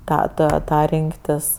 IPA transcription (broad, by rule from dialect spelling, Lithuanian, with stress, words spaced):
ˈtɑː ˈtɑː ˈtɑː ˈrʲɪŋktʲɪs